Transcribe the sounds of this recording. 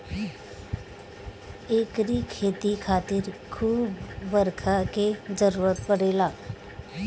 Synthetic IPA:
eːkɾikʰeːt̪ikʰaːt̪ɪɾkʰuːbʋəɾkʰaked͡ʒəɾuːɾət̪̚pəɽ̤eːlaː

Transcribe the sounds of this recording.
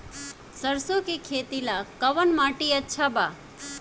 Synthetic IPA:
səɾsokekʰeːt̪ilakɐʋənmaːʈiətːʃʰabaː

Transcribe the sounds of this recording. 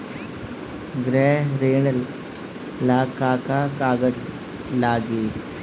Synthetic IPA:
ɡɾeɾeːɳ | laːkaːkakaːɡɐ | laːɡi

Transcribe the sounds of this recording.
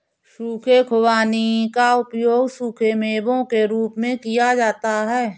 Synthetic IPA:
ʃuːkʰekʰʊwaːnikaʊpjoːɡʃuːkʰemeːbõkeɾuːpmẽkɪjad͡ʒaːt̪aɦɛː

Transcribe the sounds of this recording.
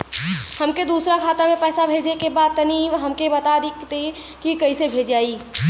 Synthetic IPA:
həmked̪uːsɾakʰaːt̪amẽpɛːsabʱeːd͡ʒekebaːd̪̚t̪əniɦəmkebət̪ad̪ikt̪e | kikəisebʱed͡ʒd͡ʒaːi

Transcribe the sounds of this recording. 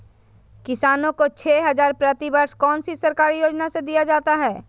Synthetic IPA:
kɪsaːnõkot͡ʃʰeːɦɐzaːɾpɾət̪ibəɾskɔːnsisɐɾkaːɾijoːd͡ʒnased̪ijad͡ʒaːt̪aɦɛː

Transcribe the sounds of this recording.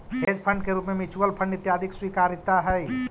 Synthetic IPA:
ɦeːd͡ʒpʰə̃ɳɖkeɾuːpmẽmɪt͡ʃuəlpʰə̃ɳɖɪt̪jaːd̪ʱɪkswiːkaːɾɪt̪ːaɦɛ

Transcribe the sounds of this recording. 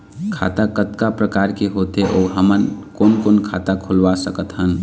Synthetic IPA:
kʰa̰ːt̪akət̪kapɾəkaːɾkeɦot̪eʔoːɦəmənkoːnkoːnkʰaːt̪akʰʊlʋasəkət̪ɦən

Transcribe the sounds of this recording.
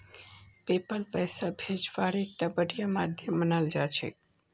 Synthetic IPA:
pepəlpəjsabʱed͡ʒʋaɾek̚t̪abəɽijamad̪ʱjəmːənald͡ʒat͡ʃʰḛ

